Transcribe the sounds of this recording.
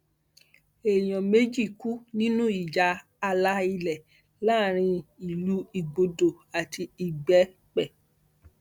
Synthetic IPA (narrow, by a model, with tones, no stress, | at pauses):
e˨j̃ɔ̃˨me˦d͡ʒi˦˨ku˦nĩ˦nũ˦i˨d͡ʒaː˨˦˧ | la˦i˧lɛ˨ | la˦˨ɾ̃ĩ˧i˨lu˨˦i˧ɡ͡bo˧do˨ | a˨tʰi˧i˨ɡ͡bɛ˨˦ | k͡pɛ˦˨